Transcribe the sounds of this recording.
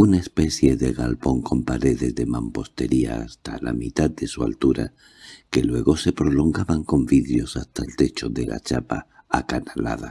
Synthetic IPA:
unaespe̞θje̞ðe̞ɣalpo̞ŋko̞mpaɾe̞ðe̞zðe̞mampo̞st̪e̞ɾia̰ːst̪ala̰mit̪aðd̪e̞sua̰lt̪uɾa̰ | ke̞lwe̞ɣo̞se̞pɾo̞lo̞ŋɡaβaŋko̞mbiðɾjo̞sast̪aelt̪e̞t͡ʃo̞ðe̞lʔa̰t͡ʃapa | akanala̰ð̞a

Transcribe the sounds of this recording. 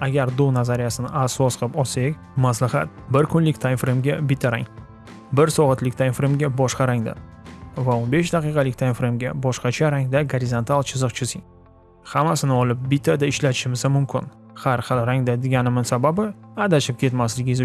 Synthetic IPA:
aɡʲaɾd̪onazaɾijasɪnɪasɒsqʰpɒsekʲ | maslahat̪̚bɪɾkʰʊnlɪkʲt̪ʰajmfɾemɡʲabɪt̪ʰaɾa̰ŋ | bɪɾsɒʁɨt̪lɪkʲt̪ʰajnfɾemɡʲabɒʃqɑɾaŋd̪a̰vaonbeʃd̪aqɨjqʰɑlɪkʲt̪ʰajnfɾemɡʲabɒʃqɑt͡ʃʰaɾaŋd̪aɡaɾɪzant̪ʰalˠt͡ʃʰɪzɨqt͡ʃʰɪsɪŋ | hamasɪnɪɒlɪp̚bɪt̪ʰad̪aɪʃlat̪ʰɪ̥ʃɪmɪsamʊmkʲʰɪ̰n | haɾχɨlˠɾaŋd̪ad̪eɡʲanɪmɪsababɪad̪at͡ʃʰɪp̚kʲʰe̞t̪maslɪɡʲɪz

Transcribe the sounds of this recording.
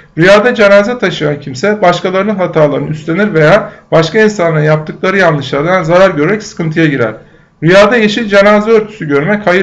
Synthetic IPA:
ɾyjaːd̪ad͡ʒenaːzɛt̪ʰaʃɯjancʰimsɛbaʃkalˠaɾɯnɯnɦat̪ʰaːlˠaɾɯnɯyst̪lʲe̞niɾve̞jaːb̥aʃkainsanˠɾnjap̚t̪ʰɯklˠaɾɯjanlːˠɯʃlˠaɾd̪anzaɾaɾɟøɾmɛcsɯ̥kɯnt̪ʰɯjaɟiɾæ̰ɾ̥ | ɾyjaːd̪ajeʃinʲd͡ʒenaːzɛøɾt̪ʰy̥syɟø̞ɾmɛchajɯ

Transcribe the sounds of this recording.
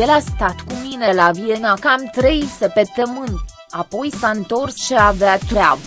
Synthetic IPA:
jelast̪at̪kuminelavienakamt̪ɾe̞jsəpet̪əmɨnt̪ | apo̞jsaɨnt̪o̞rsʃiavat̪ɾea̰bə

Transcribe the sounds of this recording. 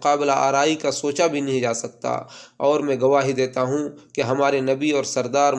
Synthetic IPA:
qaːbɪlaa̰ːɾaːikasoːt͡ʃabʱinɐɦĩd͡ʒaːsɐk̚t̪a̰ɔːɾmɛ̃ːɡɐʋaːɦid̪eːt̪aɦũkeɦɐmaːɾenɐbiɔːɾsɐɾd̪aːɾ

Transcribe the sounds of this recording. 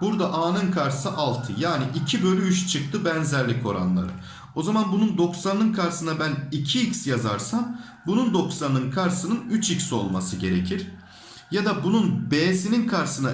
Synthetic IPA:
buɾd̪aʔaːnɯnkʰaɾsɯʔalˠt̪ʰɯjaːniʔicʰibølʲyyʃt͡ʃʰɯk̚t̪ʰɯbænzæɾlʲikʰo̞ɾa̰nlˠa̰ɾɯ̰ | o̞zamanbunund̪o̞ksannɯnkʰaɾsɯnabænicʰiːcsjaza̰ɾsam | bunund̪o̞ksanɯnkʰaɾsɯnɯnyt͡ʃicsio̞̰lˠmasɯɟe̞ɾe̞cʰiɾ̥ | jad̪abununbeːsininkʰaɾsɯna

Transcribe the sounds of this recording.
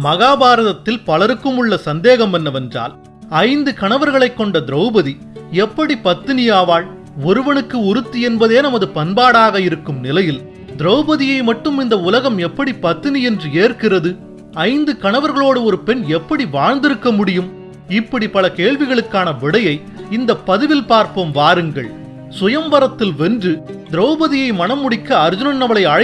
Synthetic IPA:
mɐɣaːbaːɾɐðɐt̪ːɪlpɐlɐɾɯkːɯmɯɭːɐsɐnd̪eːɣɐmɛnːɐʋɐndra̰ːl | ɐɪnd̪ɯkɐɳɐʋɐɾɣɐɭɐɪkːɔɳɖɐd̪ɪɾɐʊbɐði | ɛpːɐɽipɐt̪ːɪnɪjaːʋaːɭ | ɔɾɯʋɐnɯkːɯʊɾɯt̪ːiɛnbɐðeːnɐmɐðɯpɐnbaːɽaːɣɐɪɾɯkːɯmnɪlɐjɪl | d̪ɪɾɐʊbɐðɪjɐɪmɐʈːɯmɪnd̪ɐʊlɐɣɐmɛpːɐɽipɐt̪ːɪniɛndrɯeːrkɪrɐðɯ | ɐɪnd̪ɯkɐɳɐʋɐɾɣɐɭoːɽɯɔɾɯpɛnɛpːɐɽiʋaːɻnd̪ɪɾɯkːɐmʊɽɪjɯm | ɪpːɐɽipɐlɐkeːɻʋɪɣɐɭɯkːaːnɐʋɪɽɐjɐɪ | ɪnd̪ɐpːɐðɯʋɪlpaːɾpɐmʋaːɾɯŋɡɐɭ | sʊjɐmʋɐɾɐt̪ːɪlʋɛndrɯd̪ɪɾɐːbɐðɪjɐɪmɐnɐmːʊɽɪkːɐːɾd͡ʒʊnɐnːɐʋɐɭɐɪɐɻɐ

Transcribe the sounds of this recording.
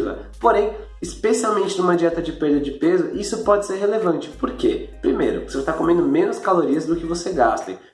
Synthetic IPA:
vɐ̰ | poɾẽj̃ | ɪspesiawmẽnt͡ʃɪnũmɐd͡ʒiɛt̪ɐd͡ʒɪpeɾd̪ɐd͡ʒɪpezʊʔisʊpɔd͡ʒɪseɾɦelevɐ̃nt͡ʃɪ̥poɾkepɾimejɾʊ̰sevost̪aɾkomẽnd̪ʊmẽnʊskaloɾiɐzd̪ʊkɪvoseɡa̰st̪ḛ̃

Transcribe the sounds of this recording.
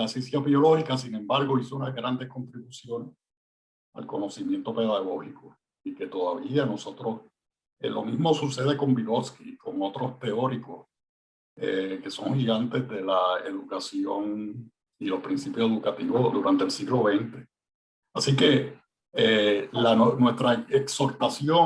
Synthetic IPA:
aesensjaβjo̞lo̞hikasinẽ̞mbaɾɣo̞isounazɣɾand̪e̞sko̞nt̪ɾiβusjo̞ne̞s | a̰lko̞no̞simjent̪o̞pe̞ðaɣ̞o̞hiko | ike̞t̪o̞ðaβiano̞so̞t̪ɾo̞s | ḛlʔo̞̰mizmo̞suse̞ð̞e̞ko̞mbiɣoskiko̞ŋo̞t̪ɾost̪e̞o̞ɾiko̞s | eke̞so̞̰ŋhiɣant̪e̞zðe̞lae̞̰ðukasjo̞ŋ | ilo̞hpɾinsipjose̞ðukat̪iβo̞d̪uɾʔant̪elsiɣlo̞βe̞nt̪e̞̥ | asike̞ | elannwe̞st̪ɾaekso̞ɾt̪asjo̞

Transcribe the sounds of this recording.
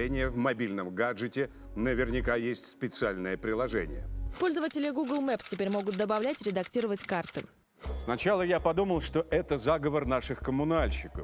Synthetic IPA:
enʲɪjəvmɐbʲilʲnəmɡaʐɨtʲɪ | nəvʲɪrnʲɪkajesʲtʲspʲɪt̪sɨalʲnəjəpɾʲɪlˠɐʐɛnʲɪ̰jə̰po̞lʲzəvətʲɪlʲɪɡuɡəlˠmɛptʲɪpʲeɾʲmo̞ɡʊt̪̚d̪əbɐvlʲætʲɾʲɪd̪ɐktʲiɾəvətʲkart̪ɨ̰ | snɐt͡ɕalˠəjapɐd̪uməlˠʂt̪oʔɛt̪əzaɡəvərnaʂɨxkəmʊnalʲɕɪkəf

